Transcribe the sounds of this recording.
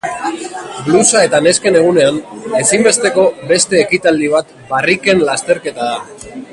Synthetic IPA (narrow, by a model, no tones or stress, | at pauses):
blusae̞t̪ane̞ske̞ne̞ɣ̞une̞ane̞simbe̞st̪e̞ko̞be̞st̪e̞ːkit̪ald̪iβ̞at̪ | barike̞nlast̪e̞ɾke̞t̪aða